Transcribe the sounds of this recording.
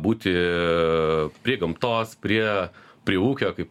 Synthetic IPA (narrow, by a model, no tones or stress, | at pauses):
buːt̪ʲɪ | pʲɾʲiɛɡɐmt̪oːspʲɾʲiɛ | pʲɾʲiɛuːkʲoːkɐɪp